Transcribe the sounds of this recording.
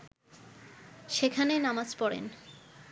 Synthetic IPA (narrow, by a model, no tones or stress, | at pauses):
ʃekʰanenamad͡ʑpɔɽḛn